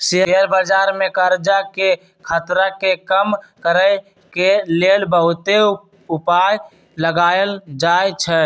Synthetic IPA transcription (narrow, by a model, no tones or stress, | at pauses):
seɦɦəɾbəd͡ʒaɾmekəɾd͡ʒake | kʰət̪ɾakekəmkəɾə | kelelbəɦut̪e | upaj | ləɡajld͡ʒajt͡ʃʰɛ